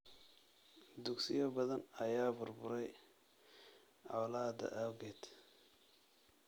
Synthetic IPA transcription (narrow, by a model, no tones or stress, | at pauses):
d̪uksɪjɔbɐðɐnɐjaːbʊrbʊɾɛj | ʔa̰laːd̪ɐ̰ʔawɡɛd̪